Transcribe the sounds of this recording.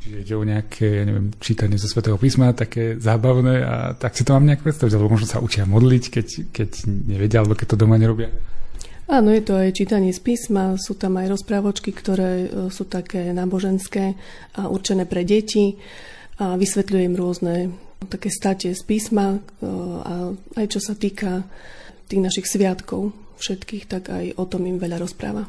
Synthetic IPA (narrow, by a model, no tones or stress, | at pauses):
t͡ʃiʒɛiɟɛɔɲɛakʰɛːjaɲɛʋɪɛ̰mt͡ʃiːt̪aɲɪɛzɔsʋɛt̪ɛːɦɔpiːsmat̪akɛːzaːbaʊnɛːa̰t̪aksit̪ɔmaːmɲɛakɛpɾɛt̪st̪aʋiɟalɛbɔmɔʒnɔsa̰ʔut͡ʃɪamɔd̪lickɛckɛɟɲɛʋɛɟɪaalɛbɔkɛc̚t̪ɔd̪ɔmaɲɛɾɔbɪa | aːnɔjɛt̪ɔajt͡ʃiːt̪aɲɪɛspiːsmasuːt̪amajɾɔspɾaːʋɔt͡ʃkikt̪ɔɾɛːsuːt̪akʰɛːnaːbɔʒɛnskɛː | ʔaʔṵɾt͡ʃɛnɛːpɾɛɟɛci | aʋisʋɛt̪ʎujɛimɾʊɔznɛt̪akɛːst̪acɪɛspiːsma | a̰ajt͡ʃɔsat̪iːka | t̪iːɣnaʃixsʋɪat̪kɔʊfʃɛt̪kiːxt̪aɡa̰jʔɔt̪ɔmimʋɛʎaɾɔspɾa̰ːʋa